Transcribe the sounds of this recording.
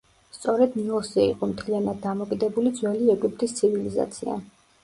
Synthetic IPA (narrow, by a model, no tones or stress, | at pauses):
st̪sʼɔɾɛd̪niɔsɛḭqʼɔmt̪ʰlianad̪̚ːamɔkʼid̪ɛbulid̪zwɛliɛɡip̚ʼt̪ʼist̪sʰiviliza̰t̪sʰḭa̰